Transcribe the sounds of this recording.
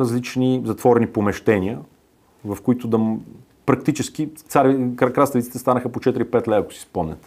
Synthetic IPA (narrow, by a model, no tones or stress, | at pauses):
ɾəzlit͡ʃnizɐt̪vɔɾɛnipomɛʃt̪ɛnʲiə | vɐfkoit̪ʊd̪ɐ | pɾɐkt̪it͡ʃɛsk̟it̪saɾikɾast̪əlʲit̪i̥t̪ɛst̪anəxəpot͡ʃɛt̪iɾipɛt̪lɛɐko̥si̥spɔmnɛ̰t̪